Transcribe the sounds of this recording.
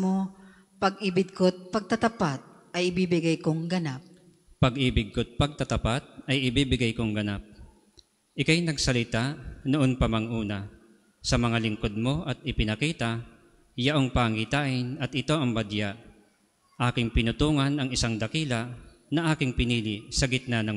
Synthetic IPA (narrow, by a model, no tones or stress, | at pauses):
mo | pɐɡɪbɪd̚kot̪̚pɐɡ̚t̪ɐt̪ɐpat̪̚ | ɐjɪbibɪɡajkoŋɡɐnap̚ | pɐɡʔɪbɪɡ̪̚kot̪̚pɐɡ̚t̪ɐt̪ɐpat̪̚ɐjɪbiːbɪɡajkoŋɡɐnap̚ | ʔɪkajnɐɡsɐlɪt̪aʔnʊʔonpɐmɐŋʔuːnɐ | sɐmɐŋalɪŋko̞d̪̚mo̞ʔɐt̪̚ɪpɪnɐkiːt̪a | jɐʔo̞ŋpaŋit̪aːʔɪnɐt̪ɪt̪o̞ʔɐŋbɐd̪jaʔ | ʔaːkɪŋpɪnʊt̪uːŋɐnɐŋɪsaŋd̪ɐkiːlɐ | nɐʔaːkɪŋpɪniːlɪsɐɡɪt̪̚nanɐŋ